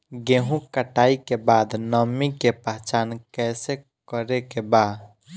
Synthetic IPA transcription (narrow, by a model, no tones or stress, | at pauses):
ɡeɦũkəʈaːikebaːd̪nəmːikepəɦt͡ʃaːnkɛːse | kəɾekebaːd̪